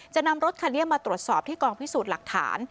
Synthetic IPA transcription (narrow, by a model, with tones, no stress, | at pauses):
t͡ɕa˨˩na˧mɾo˦˥t̪̚kʰa˧nːi˥əmːaː˧t̪ɾu˨˩ət̪̚sɔː˨˩p̚t̪ʰiː˥˩kɔː˧ŋpʰi˦˥suː˨˩t̪̚la̰˨˩k̚t̪ʰa̰ː˩˦n